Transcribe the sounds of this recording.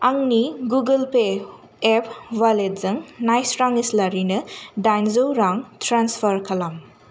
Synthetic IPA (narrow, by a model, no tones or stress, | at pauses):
aŋniɡuɡɐlpe | ep̚ʰwalet̚zɐŋnajsɾaŋislaɾinɐdajnzowɾaŋtʰɾanspʰɐɾkʰɐlam